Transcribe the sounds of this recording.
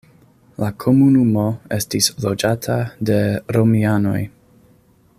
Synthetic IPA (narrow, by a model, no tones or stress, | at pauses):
lakʰo̞munumo̞e̞stislo̞d͡ʒatʰade̞ɾo̞miano̞̰j